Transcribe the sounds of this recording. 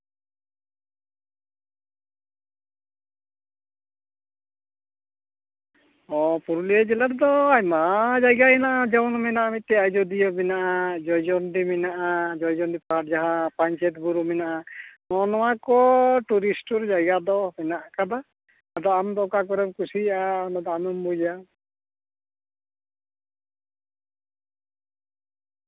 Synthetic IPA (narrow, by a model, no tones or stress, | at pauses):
ɔpuɾuliɛd͡ʒɛlaɾd̪ɔajmad͡ʒajɡaɛnaʔad͡ʒɔwnɔmɛnaʔamit̪ːɛajd͡ʒɔd̪ijɔmɛnaʔad͡ʒɔjd͡ʒɔnd̪imɛnaʔad͡ʒɔjd͡ʒɔnd̪ipaʈ̚d͡ʒaɦãpaɲt͡ʃɛt̪buɾumɛnaʔanɔnɔwakɔʈuɾisʈɔɾd͡ʒajɡad̪ɔmɛnaʔakad̪a | ad̪ɔamd̪ɔkakɔɾɛmkusiʔanɔd̪ɔamɔmbud͡ʒa